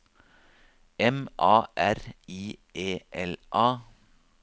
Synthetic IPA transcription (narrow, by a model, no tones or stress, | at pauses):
ɛmʔɑːʔæɾiːʔeːʔɛlʔɑː